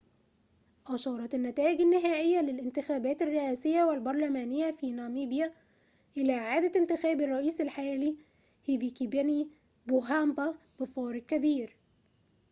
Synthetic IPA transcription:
ʔɑʃɑːɾˤɑt̪anːæt̪æːʔɪɡanːɪɦæːʔɪjːalɪlʔɪnt̪ɪxæːbæːt̪ɪrːɪʔæːsɪjːæwalbɑɾˤlæmæːnɪjːafiːnɑːmiːbja | ʔɪlæːʔʕaːd̪æɪnt̪ɪxæːbɑrˤːɑʔiːsɪlħajæːliː | hivikibæni | boɦamba | b̥ɪfɑːɾɪɡ̚kæbiːɾ

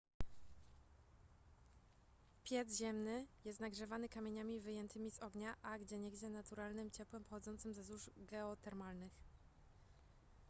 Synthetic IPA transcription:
pʲjɛd̪zʑɛmnɘjɛst̪naɡʐɛvanɘkamʲeɲamʲivɘjɛnt̪ʰɘmʲizɔɡɲaʔaɡd͡ʑɛɲɛɡd͡ʑɛnat̪uɾalnɘmt͡ɕɛpwɛmpɔxɔd̪zɔnt̪sɘmzɛzuʐɡɛɔt̪ɛɾmalnɘx

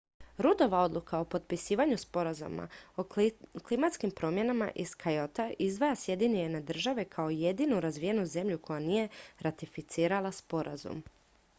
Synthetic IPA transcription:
ɾud̪o̞ʋao̞d̪lukʰao̞po̞t̪pisiːʋaɲuspo̞ɾazṵma̰oklimat̪skimpɾo̞ːmje̞nama̰ʔiskʰajo̞t̪aʔizd̪ʋajasje̞d̪iniened̪r̩ʒaʋe̞kʰao̞je̞d̪inuɾazʋije̞nuze̞mʎukʰo̞janije̞ɾat̪ifit̪siːɾalaspo̞ɾʔa̰zṵm

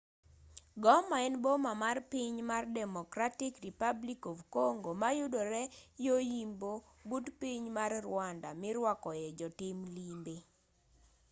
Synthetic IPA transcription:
ɡɔmaɛnbomamarpiɲmardɛmɔkɾatɪkripablikovkoŋɡomajudoɾɛjojimbo | butpiɲmarrwandamɪɾwakɔjɛd͡ʒɔtɪmlimbe

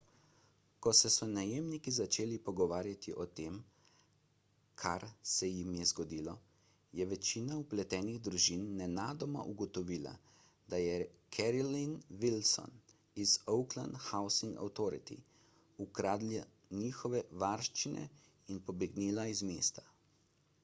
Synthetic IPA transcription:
kɔsɛsɔnajeːmnikizat͡ʃeːlipɔɡɔʋaːɾjat̪iʔɔt̪eːm | kʰa̰ɾsɛjimjɛzɡɔd̪iːlɔ | jɛʋɛt͡ʃiːnauplɛt̪ɛːniɣd̪ɾuʒinːɛnaːd̪ɔma̰ʔuɡɔt̪ɔʋiːla̰ | d̪ajɛkʰɛɾɔlinʋilsɔ̰n | izɔwkla̰nd̪xawsiŋɡa̰wt̪ɔːɾḭt̪ḭ | ukɾaːd̪la | niːxɔʋɛʋaɾʃt͡ʃinɛ̰ | inpɔbɛɡniːlaizmeːst̪ḁ

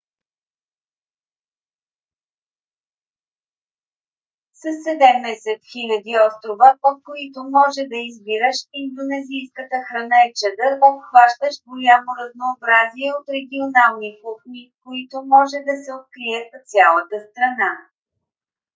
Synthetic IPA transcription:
sɐsːɛd̪ɛmnɛsɛt̪xilʲɐd̪iɔst̪ɾovəpot̪̚koit̪omɔʒɛd̪ɐizbiɾəʃind̪onɛzijskət̪əxɾɐnaɛt͡ʃɛd̪əɾvofxvaʃt̪əʃɡojʲamoɾɐznoːbɾaziɛot̪ɾɛɡʲionalˠnikuxmikoit̪omɔʒɛd̪ɐsɛot̪̚kɾiɛt̪t̪sʲjalˠət̪əst̪ɾɐna

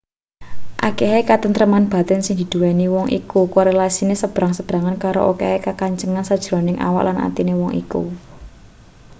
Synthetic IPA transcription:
ʔa̰keɦekat̪ənt̪ɾəmanb̥a̤t̪ɛnsɪŋd̪̥i̤d̪̥ṳwɛniwɔŋʔḭkukoɾelasinesəb̥ɾaŋsəb̥ɾaŋankaɾo̰ʔokehekakaɲt͡ʃəŋansad̥ʒ̥ɾɔ̤nɪŋʔa̰wa̰ʔlʔana̰t̪inewɔŋʔḭkṵ

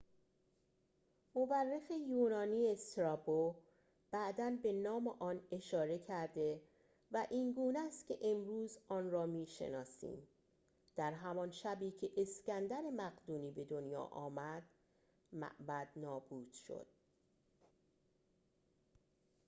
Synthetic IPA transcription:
moværːefe̞juːnɒːniːest̪ɾɒbo | b̥æʔd̪ænbe̞nɒːmeʔɒːne̞ʃɒːɾe̞cʰæɾd̪e̞ | væʔiŋɡuːnæst̪cʲʰe̞ʔe̞mɾuːzɒːnrɒːmiːʃḛnɒːsḭːm | d̪̥æɾɦæmɒnʃæbiːcʰe̞ʔescænd̪æɾe̞mæɣd̪uːniːbe̞d̪o̞njɒ̰ːʔɒ̰ːmæd̪̥ | mæ̰ʔbæd̪̥nɒːbuːd̪̥ʃo̞̰d̪̥̚

